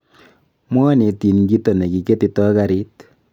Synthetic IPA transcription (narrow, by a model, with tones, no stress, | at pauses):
mwɔ˦ni˨ti˨nŋɡi˦to˨ne˨ki˨ke˦ti˨tɔ˦ka˨ɾi˦t